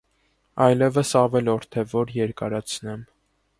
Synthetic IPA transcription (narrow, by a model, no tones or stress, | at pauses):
ɑjlɛvəsɑvɛlɔɾt̪ʰɛvɔɾjɛɾkɑɾɑt͡sʰnɛm